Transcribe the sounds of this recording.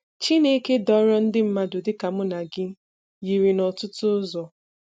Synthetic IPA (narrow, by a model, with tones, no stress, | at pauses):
t͡ʃi˦ne˦ke˦dɔ˦ɾɔ˦n̩˦dɪ˦m̩˦ma˦dʊ˨dɪ˦ka˨mʊ˦na˨ɡɪ˦ | ji˨ɾi˨nɔ˨tʊ˦tʊ˦zɔ˨